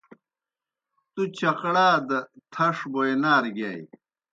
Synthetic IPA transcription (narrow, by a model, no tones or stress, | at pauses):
t̪ut͡ɕɐqɽaːd̪ɐt̪ʰɐʂbojenaːɾɡaːj